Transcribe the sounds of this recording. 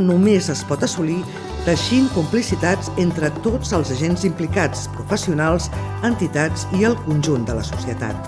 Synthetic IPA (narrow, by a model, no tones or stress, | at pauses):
numezəspɔt̪əsuli | d̪̥əʃiŋkumplisit̪ad͡zent̪ɾət̪od͡zəlˠzəʒenzimplikat͡spɾufəsiunalˠz | ənt̪it̪ad͡ziəlˠkunʲʒund̪ələsusiət̪a̰t̪